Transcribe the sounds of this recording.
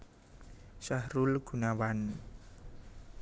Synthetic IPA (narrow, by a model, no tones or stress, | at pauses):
sahɾulɡ̥ṳnawan